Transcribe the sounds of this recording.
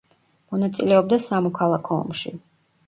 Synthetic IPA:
mɔnat̪sʼilɛɔb̚d̪asamɔkʰalˠakʰɔɔ̰mʃi

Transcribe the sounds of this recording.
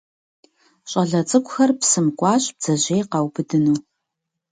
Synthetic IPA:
ɕʼɐɮɐt͡sʼɨkʷʼʊxɐrpsɨmkʷʼɑːɕʼb̥̚d͡z̥ɐʑʷejqɑwbɨdɨnuː

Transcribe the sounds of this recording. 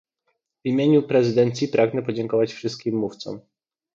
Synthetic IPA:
vimʲjeɲupɾɛzɘd̪ɛnt̪sʲjipɾʔaɡnɛpɔd͡ʑɛŋkɔvat͡ɕfʂɘst̪̚kʲimːuft̪sɔ̰m

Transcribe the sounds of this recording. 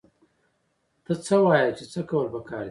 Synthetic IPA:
t̪ət͡səwɑjat͡ʃet͡səkawəlpəkɑːɾd̪

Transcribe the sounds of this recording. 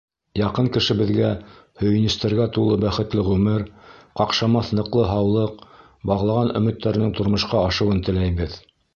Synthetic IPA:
jɑqɤŋkɘ̆ʃɘ̆bɘ̆ðɡæhɵ̆jɵ̆nɘ̆st̪æɾɡæt̪ulˠɤbæχɘ̆t̪lɘʁʉmɘɾqɑqʃɑmɑθnɤ̆qlˠɤɦɑwlˠɤq̚ | bɑʁlˠɑʁɑnɵ̆mɘ̆t̪ːæɾɘ̆nɘŋt̪ŏɾmŏʃqɑɑʃɤ̆wɤnt̪ɘ̆læjbɘð

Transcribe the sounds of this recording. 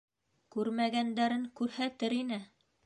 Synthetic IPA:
kʉɾmæɡænd̪æɾɘŋkʉɾhæt̪ɘɾinɘ

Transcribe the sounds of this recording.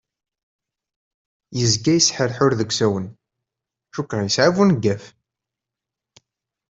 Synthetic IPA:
jəzɡæjəsħəɾħʊɾðəɡʷsæwən | ʃukːɾˤɑjəsʕavunɡːæf

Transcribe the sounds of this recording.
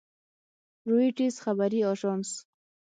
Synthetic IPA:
ɾuiʈizxabaɾiɑʒɑns

